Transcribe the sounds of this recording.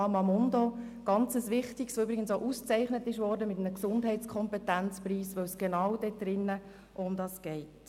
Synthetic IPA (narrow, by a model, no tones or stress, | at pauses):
ɑːmɑmɔndo | ɡ̥ɑnt͡səsʋɪχtiksoʏbɾɪɡənsoʔust͡sɛɪχnətɪʃʋɔːɾdəmɪtənəksʊndɦɛɪt͡skʰɔmpɛtænt͡spriːsʋœwsɡ̥enɑwd̥ɛd̥ɾɪnːə | ʔʊmdɑsɡ̥ɛɪt